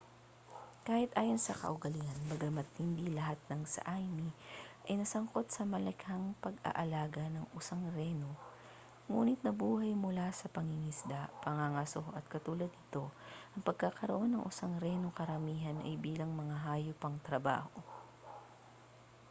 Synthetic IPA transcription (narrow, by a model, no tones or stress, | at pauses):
kaːhɪt̪ʔaːjo̞nsɐkɐ̰ʔʊɡɐlɪanbɐɡamɐt̪hɪnd̪ilɐɦat̪̚nɐŋsɐ̰ʔajmiʔɐjnɐsɐŋko̞t̪̚sɐmɐlɐkhɐŋpɐɡɐ̰ʔɐlaːɡɐnɐŋʔʊsaŋɾɛno̞ | ŋuːnɪt̪̚nɐbuːhɐjmʊlasɐpɐŋɪŋɪsd̪apɐŋaŋɐsoʔɐt̪̚kɐt̪uːlɐd̪̚nɪt̪o̞ʔɐŋpɐɡ̚kakɐɾoʔo̞nːɐŋʔʊsaŋɾɛnokɐɾɐmiːɦɐnʔɐ̰jbiːlɐŋmɐŋaɦaːjʊpɐŋt̪ɾɐba̰ːho